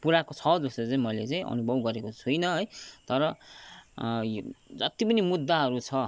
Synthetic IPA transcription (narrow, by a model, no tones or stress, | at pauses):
puɾakot͡sʰʌd͡zʌsʌt͡saĩmʌjlet͡saĩʔʌ̰nubʱʌbɡʌɾekot͡sʰujnʌɦʌjt̪ʌɾʌ | jd͡zʌt̪ipʌnimud̪ːaɦʌɾut͡sʰʌ